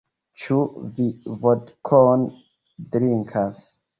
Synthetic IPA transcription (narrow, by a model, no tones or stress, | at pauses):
t͡ʃuvivɔdkʰɔn | dɾiŋkʰas